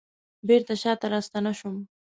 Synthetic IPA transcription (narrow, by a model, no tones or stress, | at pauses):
beɾt̪aʃɑt̪aɾɑst̪anaʃʊm